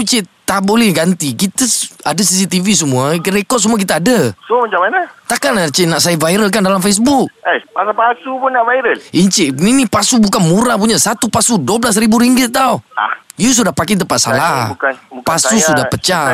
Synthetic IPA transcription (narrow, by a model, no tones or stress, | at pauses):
ut͡ʃɛʔt̪abolɛhɡant̪ikit̪əadas̬isit̪ivis̬əmuaɾekɔd̚səmuak̬it̪aːdəsəmat͡ʃamanat̪akanat͡ʃɛnaʔsajavaiɾəlkandalamfes̬buk̚apasapasupʊnnaʔvajɾəliɲt͡ʃɛʔninipasubukanmuɾap̬uɲasat̪upasuduablas̬ɾibuɾiŋɡɪt̪t̪aṵijus̬udapakɛt̪əmpat̪̚sa̰lahkpasusudapət͡ʃa